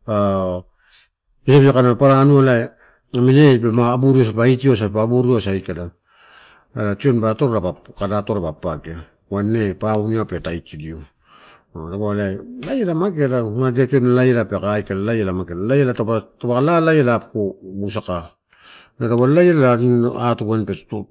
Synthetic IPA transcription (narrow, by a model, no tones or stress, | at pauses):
a | misabsakanapaɾanualaj | aminebemaːbuɾios̬apaitiosapabuɾiosajkada | alat͡ʃionbatoɾɾabakadatoɾabapaka | wanːepauniapetaitidio | dabolajlajelamakelamadiationlajelapekajkalalajelamaɡelalajelatopatobaklalajelapkobusaka | nadabalajelalaatuɡanpetu